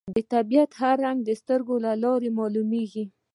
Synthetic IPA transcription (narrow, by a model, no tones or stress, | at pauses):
d̪ət̪abijat̪haɾaŋɡ̚d̪əst̪əɾɡolalɑɾemɑlumeɡi